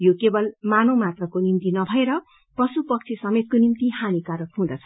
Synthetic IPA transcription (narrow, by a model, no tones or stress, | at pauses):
jokebʌlmanõmat̪rʌkonimt̪inʌbʱʌeɾʌ | pʌsupʌk̚t͡sʰisʌmet̪̚konimt̪ihanikaɾʌkhũd̪ʌt͡sʰʌ̥